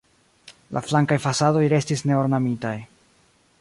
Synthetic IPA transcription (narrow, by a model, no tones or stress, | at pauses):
lʔa̰flaŋkajfasado̞jɾe̞stisne̞oɾnamitaj